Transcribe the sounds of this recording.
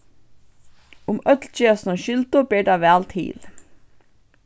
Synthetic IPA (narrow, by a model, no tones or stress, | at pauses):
ʊmœt̪lt͡ʃøːsnoʃʏlt̪ʊbiːɖɑːʋæːlt̪ʰḭːl